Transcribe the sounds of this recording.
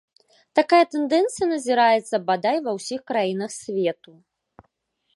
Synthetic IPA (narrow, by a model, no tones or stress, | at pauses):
t̪akajɐt̪ɛnd̪ɛnt̪sɨjɐnɐzʲiɾajɛt̪sɐbad̪ajvɐwsʲixkɾajinɐxsʲvʲɛt̪u